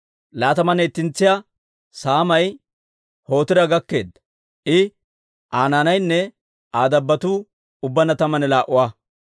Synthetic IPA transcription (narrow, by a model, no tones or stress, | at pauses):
laːt̪ɐmɐneːt̪ːɪnt͡sːɪja | saːmɐj | ho̞ːt̪ɪɾɐɡɐkːe̞ːd̪ɐ | ʔɪ | ʔaːnaːnɐjnːɛ | aːd̪ɐbːɐt̪uː | ʊbːɐnɐt̪ɐmɐnɛlaːʔʊwaː